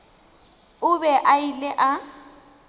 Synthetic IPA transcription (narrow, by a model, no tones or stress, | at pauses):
ʊbɛʔailɛʔa